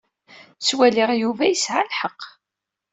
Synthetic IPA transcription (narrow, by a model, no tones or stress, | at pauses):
swæliʁjuvæjəsʕalħəqː